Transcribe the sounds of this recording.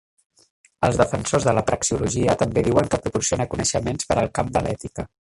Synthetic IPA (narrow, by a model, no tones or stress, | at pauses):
əlˠzðəfənsozðələpɾəksiuluʒiət̪əmbeðiwəŋkəpɾupuɾsionəkunəʃəmenspəɾəlˠkamd̪ə̰lʔɛt̪ikə